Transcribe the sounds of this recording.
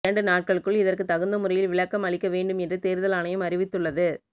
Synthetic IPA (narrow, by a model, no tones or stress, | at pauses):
ɐɳɖɯnaːʈ̚kɐɭɯkːɯɭɪðɐrkɯt̪ːɐɣɯnd̪ɐmʊrɐjɪlʋɪɭɐkːɐmɐɭɪkːɐʋeːɳɖɯmɛndrɯt̪eːɾɯðɐlaːnɐjɐmɐrɪʋɪt̪ːɯɭːɐðɯ